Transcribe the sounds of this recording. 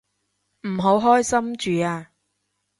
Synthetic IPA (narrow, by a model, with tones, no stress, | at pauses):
m̩˨˩ɦo˨˥wɦɔː˥jsɐ˥mt͡ʃyː˨˦aː˧